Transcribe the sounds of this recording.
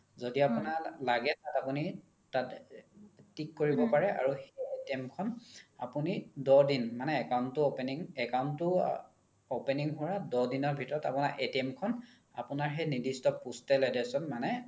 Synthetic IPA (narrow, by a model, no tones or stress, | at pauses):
zodiapunalaɡɛtatapuni | tat | tikːoɹibɔpaɹɛa̰ɹuxejetiemkʰɔna̰punidɔdinmanɛːkawntʊopeniŋɛkawntʊ | openiŋɦʊɹadɔdinɔɹbʱitɔɹɔta̰punaɹʔetiɛmkʰɔn | a̰pʊnaɹɦɛjnidistɔpustɛlɔjdɛsɔnmanɛ